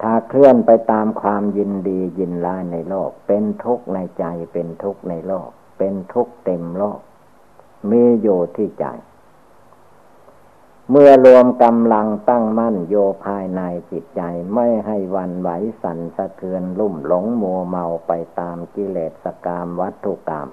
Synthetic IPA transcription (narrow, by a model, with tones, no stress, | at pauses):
t̪ʰaː˧˩kʰlɯ˧˩ənpa˧jt̪aː˧mkʰwaː˧mji˧ndiː˧ji˧nlaː˦˥jna˧jloː˥˩k̚pe˧nt̪ʰu˦˥k̚na˧jt͡ɕa˧jpe˧nt̪ʰu˦˥k̚na˧jloː˥˩k̚pe˧nt̪ʰu˦˥k̚t̪e˧mloː˥˩k̚ | miː˧˥joː˧t̪ʰiː˧˩t͡ɕa̰˨˧˩j | mɯ˧˩əlu˧əmka˧mla˧ŋt̪a˥˩ŋma˥˨njoː˧pʰaː˧jna˧jt͡ɕi˨˩t̪̚t͡ɕa˧jma˥˩jɦa˥˩jwa˧nwa˨˦jsa˨˦nsa˧k̪ʰɯ˧ənlu˧˩mlo˨˦ŋmu˧əma˧wpa˧jt̪aː˧mki˧leː˨˩t̪̚sa˧kaː˧mʋa˦˥t̪ʰːu˧˩kːa̰ː˧m